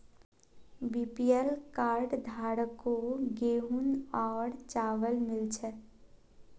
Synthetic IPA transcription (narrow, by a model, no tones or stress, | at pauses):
biːpiɛlkaːɾɖd̪ʱaːɽkoɡeːunɔːɽt͡ʃaːʋəlmɪlt͡ʃʰɛ